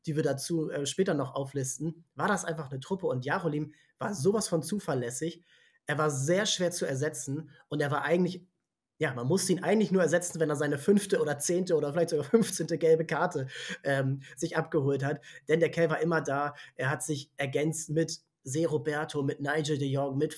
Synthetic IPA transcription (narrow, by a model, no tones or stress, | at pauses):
d̥iːviːɐdat͡suːʔɛːʃpɛːtɐnɔχʔa̰ʊflɪstn̩vaːɐdasʔaɪnfaχnətʁ̥ʊpəʊntjaːʁoliːm | va̰ːɐzoːvasfɔnt͡suːfɐlɛsɪç | ʔeːɐvaːɐzeːɐʃv̥eːɐt͡suɛɐzɛt͡sn̩ʔʊnteːɐvaːɐʔaɪɡŋ̩tlɪç | jaːmanmʊstəiːnʔaɪɡŋ̩tlɪçnuːɐɛɐzɛt͡sn̩vɛneːɐzaɪnəfʏnftəoːɾdɐt͡seːntəoːdɐfɪlaɪçtz̥oɡaːfʏnft͡seːntəɡɛlbəkʰaɐtəʔɛːmz̥ɪçʔap̚ɡ̥əhoːlthatd̥ɛndeːɐkʰɛɐvaːɐʔɪmɐdaːʔeːɐɦatz̥ɪçʔɛɐɡɛnt͡stmɪt | zeːʁobɛɐtʰomɪtnaɪd͡ʒədejɔkmɪt